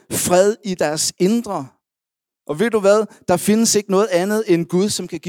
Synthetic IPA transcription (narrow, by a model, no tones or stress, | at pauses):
fʁɛð̞ˠid̥æɐse̝nd̥ʁɐ | ʔɒ̽ʋe̝ð̰d̥uʋæð̞ˠd̥ɑ̈fe̝nəse̝ɡ̥ənɔ̽ːð̩ˠænð̞̩ˠenɡ̥uð̞ˠsɒ̽mkʰæɡ̥i